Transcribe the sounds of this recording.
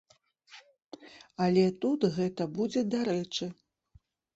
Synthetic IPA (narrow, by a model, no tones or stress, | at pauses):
alʲɛt̪ut̪ɣɛt̪ɐbud͡zʲɛd̪aɾɛt͡ʂɨ